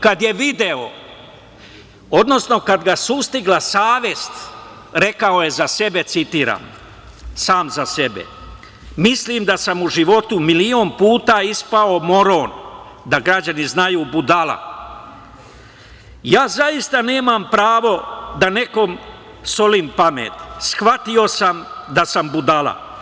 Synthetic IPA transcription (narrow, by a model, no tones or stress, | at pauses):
kad̪je̞ʋid̪e̞o | o̞d̪no̞sno̞kad̪ɡasust̪iɡlasaːʋje̞st̪ | ɾe̞kaoje̞zase̞be̞t̪sit̪iːɾa̰ːm | saːmzase̞be̞̰ | misliːmd̪asamuʒiʋo̞t̪umilionpuːt̪aːispaomo̞ɾo̞n | d̪aɡɾad͡ʑaniznajuːbud̪ala̰ | jaːzaist̪ane̞ːmampɾaːʋo̞d̪ane̞ko̞m | so̞liːmpamḛːt̪sxʋat̪io̞samd̪asambud̪alˠa̰